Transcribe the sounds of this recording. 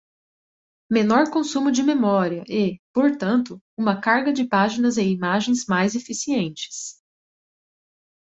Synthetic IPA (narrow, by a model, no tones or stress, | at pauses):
menɔɾkõsũmʊd͡ʒɪmemɔɾiɐʔɛpoɾt̪ɐ̃nt̪ʊ | ũmɐkaɾɡɐd͡ʒɪpaʒinɐzẽj̃imaʒẽj̃zmajzefisiẽnt͡ʃɪ̥s